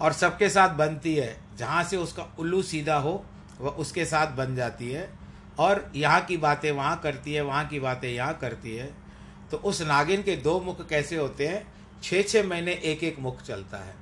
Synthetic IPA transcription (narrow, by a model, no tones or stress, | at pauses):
ɔːɾsɐb̚kesaːt̪̚ʰbɐnt̪iɦɛː | d͡ʒɐɦãseʊskaʊlusiːd̪ʱaɦo | ʋɐʊskesaːt̪̚ʰbɐnd͡ʒaːt̪iɦɛː | ɔːɾjɐɦãkibaːt̪ẽʋɐɦãkɐɾt̪iɦɛ̃ʋɐɦãkibaːt̪ẽjɐɦãkɐɾt̪iɦɛ̃ː | t̪oʔʊsnaːɡɪnked̪oːmʊkʰːɛːseɦoːt̪eɦɛ̃ː | t͡ʃʰeːt͡ʃʰeːmɐɦɪneʔeːkeːkmʊkʰt͡ʃɐlt̪a̰ɦɛ̰ː